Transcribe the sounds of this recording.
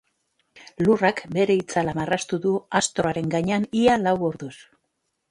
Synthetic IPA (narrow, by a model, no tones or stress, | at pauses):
lurakbe̞ɾe̞it͡salamarast̪uðuast̪ɾo̞aɾe̞ŋɡaɲeanialawoɾðus